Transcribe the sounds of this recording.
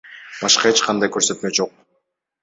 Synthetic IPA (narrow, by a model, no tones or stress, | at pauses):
b̥ɑʃqɑet͡ʃqʰɑnd̪ɑjkøɾsø̞t̪me̞d͡ʒo̞q̚